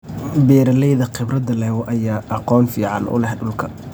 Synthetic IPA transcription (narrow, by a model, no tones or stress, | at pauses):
bɛːɾɐlɛjðɐqɪbrɐd̪ɐlɛːwɔʔɐjaːʔɑqɔːnfiːʕɑ̰nʔʊ̰lɛhɖʊlkʰɐ